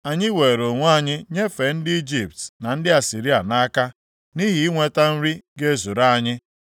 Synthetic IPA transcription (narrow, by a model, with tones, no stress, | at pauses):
a˨ɲɪ˦we˨ɾo˨ŋʷ˦a˦˨ɲɪ˦ɲe˦fe˨n̩˦dɪ˦i˦d͡ʒi˨p̚tna˨n̩˦dɪ˦a˨si˨ɾi˦a˨na˦ka˦ | ni˦ɦi˦i˦ŋʷe˦ta˦n̩˦ɾi˦ɡe˦˨zu˨ɾa˦a˨ɲɪ˦